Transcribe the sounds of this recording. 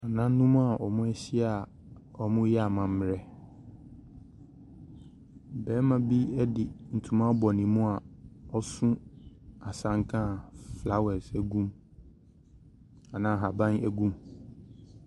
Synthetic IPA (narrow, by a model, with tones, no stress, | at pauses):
a˨nã˦n̩˦nũ˦mũ˦a˨ʔɔ˨mʊ̃˦ɛ˦ɕi˦a˨ | ɔ˨mʊ̃˦jɛ˦a˨mã˨m̩˦m˨ɾɛ˦ | bɛ˨˦mã˨bi˦ɛ˦dɪ˨n̩˨tʰũ˨mã˦bɔ˨nĩ˨mũ˦a˨ɔ˦sʊ̃˦a˨sã˨ŋ˦kʰã˦˨fla˦wɛ˨sæ˨ɡũ˦m | a˨nã˨˦˨ɦa˨bã˦næ˦ɡũ˦m